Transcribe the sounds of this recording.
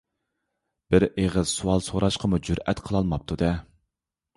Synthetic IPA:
b̥ɪɾeʁəzsuwɑlˠsoɾɑʃqʰəmud͡ʒuɾɛt̪qʰəlˠɑlˠmɑp̚t̪ʰud̪ɛ

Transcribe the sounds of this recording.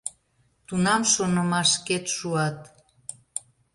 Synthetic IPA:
t̪unɑmʃonəmɑʃket̪ʃuɑt̪

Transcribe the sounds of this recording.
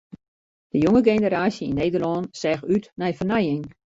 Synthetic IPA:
d̥əjoŋəɡenəɾaːsjəinːeːdərlɔnsɛːxytnɛjfərnɛjɪŋ

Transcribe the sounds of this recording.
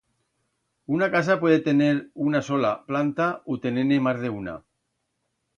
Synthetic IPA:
unakas̬apwe̞ð̞e̞t̪e̞ne̞ɾunaso̞laplant̪aut̪e̞nenemazðe̞una̰

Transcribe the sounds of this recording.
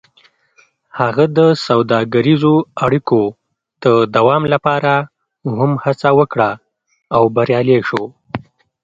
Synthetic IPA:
haɣad̪əsawd̪ɑɡaɾizoaɽiko | d̪̥əd̪awɑmlapɑɾa | ɦʊmhat͡sawəkɽaː | wbaɾjɑleʃo

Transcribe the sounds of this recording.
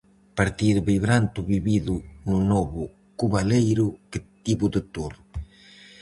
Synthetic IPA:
paɾt̪iɾβiβɾant̪ʊβiβiðʊnʊnɔβʊ | kuβalejɾʊkɪt̪iβʊd̪ɪt̪oɾ

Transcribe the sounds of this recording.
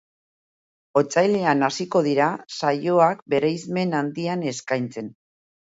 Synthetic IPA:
o̞t͡sajle̞anasiko̞ðiɾasajo̞akbe̞ɾejzme̞nand̪iane̞skajnt͡se̞n

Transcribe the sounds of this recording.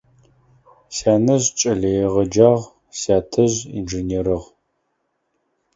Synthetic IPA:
saːnɐʑt͡ʃʼɐɮɐjɛʁɐd͡ʒaːʁ | saːtʰɐʑḭnd͡ʒeneɾɨʁ

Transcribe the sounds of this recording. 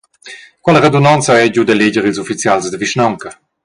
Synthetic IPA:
kwaləʁed̪unant͡saɛɟud̪əleɟəɾilzufit͡sjalsd̪əviʃnaŋkə

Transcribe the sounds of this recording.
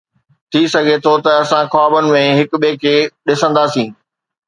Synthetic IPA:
t̪ʰisɐɡʱet̪ʰot̪ɐɐsãxaːbənɪ̆mẽɦɪkɓeːkʰeɗɪsə̃nd̪aːsĩː

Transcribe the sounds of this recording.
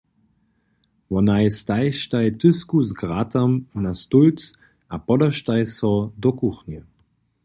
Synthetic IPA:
vɔnaɪstaɪʃtaɪtʰʏskusɡʁatʰamunastult͡s | ʔapɔdɐʃtaɪsɔdɔkuχnjə

